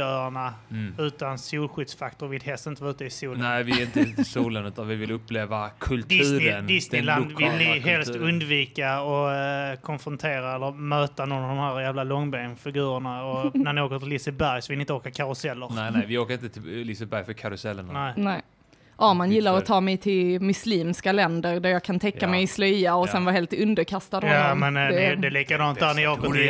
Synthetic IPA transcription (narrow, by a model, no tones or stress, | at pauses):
œːɾaɳaʉ̟ːt̪ansuːlɧʏd̪sfakt̪ɔɾvɪld̪ɦɛlst̪ɪnt̪əvʉːt̪əɪsuːlɛɪvɪɪnt̪əɪt̪ʰɪsuːlənʉ̟ːt̪anvɪvɪlɵpːleːvakʰɵlt̪d̪ɪsːənd̪ɪsnɪland̪vɪlːɪɦɛlst̪ɵnd̪viːkaɔkʰɔnfɾɔnt̪ʰeːɾaɛlːəɾmøːt̪anɔnːavd̪ɔmhæːɾjæːvlalɔŋːbeːnfɪɡʉ̟ːɾəɳaɔnæɾnɪoːkəɾt̪ʰɪlɪsəbæɾjsɔvɪlɪnt̪əoːkakʰaɾʊsɛlːəɾvɪoːkəɾɪnəɪlɪsəbæɾjfœkʰaɾʊsɛlːə̰nnɛɪnɛ | ʔaːmanjɪlːaɾɔt̪ʰɑːmɛjt̪ʰɪlmɵsliːmskalɛnd̪əɾɖ̪æɾjɑːɡkʰant̪ʰɛkːamɛjɪslœjaɔsɛnvaɦeːlt̪ɵnd̪əɾkʰast̪ad̪hɔamɛndɛd̪ɛliːkad̪ɑːnt̪d̪æɾnɪoːkəɾt̪ʰɪ